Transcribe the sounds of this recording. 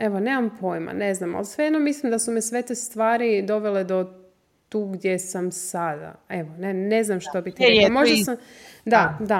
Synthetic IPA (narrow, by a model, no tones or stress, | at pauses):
eʋone̞ːmampʰo̞jma̰ne̞znama̰lsʋejed̪nomislimd̪asumisʋe̞t̪est̪ʋaːɾid̪o̞ʋe̞le̞d̪o̞ | t̪uːɡd̪jesamsad̪a̰eʋonene̞znamʃt̪obit̪imoʒd̪asamd̪ad̪a